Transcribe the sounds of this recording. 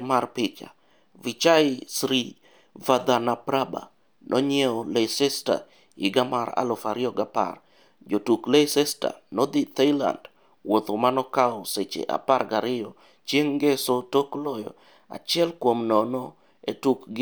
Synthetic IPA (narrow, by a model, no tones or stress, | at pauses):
marpɪt͡ʃa̰ | vit͡ʃasɾi | vad̪anapɾaba̰ | nʔɔ̰ɲɛɔlesesta̰ | ɪɡamaɾa̰lɔfaɾɪɔɡapa̰r | d͡ʒotuklesesta̰nɔd̪it̪ela̰nd | wot̪omanɔkaɔset͡ʃḛʔa̰parɡaɾɪjɔ | t͡ʃeŋɡesotoklɔjɔ̰ | a̰t͡ʃɪɛlkwomnɔnɔ | etukɡ